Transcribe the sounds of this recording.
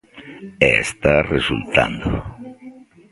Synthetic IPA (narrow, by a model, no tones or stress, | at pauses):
est̪aresult̪a̰nd̪o